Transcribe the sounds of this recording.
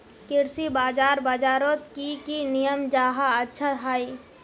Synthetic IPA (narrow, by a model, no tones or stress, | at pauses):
kɪɾsibaːd͡ʒaːɾbaːd͡ʒaːɾoːt̪kikinijəmd͡ʒaːɦaɐtːʃʰat̪ʰaːi